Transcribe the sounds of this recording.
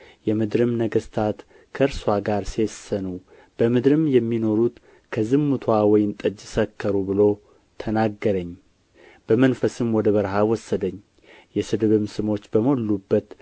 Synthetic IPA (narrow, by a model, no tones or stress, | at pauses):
jɛmɨd̪ɾɨmnəɡəst̪ʰat̪ | kʰəɨɾswʷaɡaɾse̞sːənu | b̥əmɨd̪ɾɨmjɛmːino̞ɾut̪ | kʰəzɨmːut̪ʰwawɔjɪnt̪ʼəd͡ʒɪsəkʰːəɾubɨlo̞ | t̪ʰənaɡːəɾəɲː | b̥əmənfəsɨmwɔd̪əβəɾɦawɔsːəd̪əɲː | jɛsɨd̪ɨβɨmsɨmo̞t͡ʃːbəmolːubːət̪